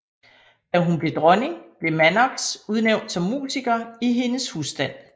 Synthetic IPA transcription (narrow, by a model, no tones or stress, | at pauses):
d̥æɦunb̥le̝d̥ʁɒne̝ŋb̥le̝mænɑɡ̥suð̞ˠneʊ̰nd̥sɒ̽mːṵːsiɡ̥ɐiɦe̝nəshusd̥æn̰